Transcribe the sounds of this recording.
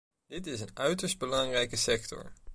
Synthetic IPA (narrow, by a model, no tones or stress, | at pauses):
d̥ɪtɪsənœɥtəɹsd̚bəlɑŋrɛjkəsɛktɔ̰ɹ